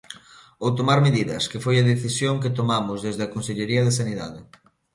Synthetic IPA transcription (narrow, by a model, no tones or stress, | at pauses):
owt̪omaɾmeðiðɐskefojɐðeθisjoŋket̪omamʊzðezðeɐkonseʎeɾiɐð̞esaniða̰ðɪ